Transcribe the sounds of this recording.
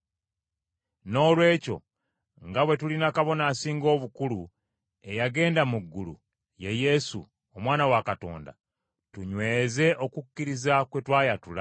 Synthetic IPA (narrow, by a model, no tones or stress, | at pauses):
no̞ːlwe̞ːco̞̰ | ŋɡaβwe̞tulinakaβo̞naːsiːŋɡo̞ːβukulu | e̞jaɡe̞ːndamuɡːulṵ | je̞je̞sṵ | omwaːnawakato̞̰ːnda̰ | tuɲwe̞ːze̞ʔo̞kukːiɾizakwe̞twaːjatula̰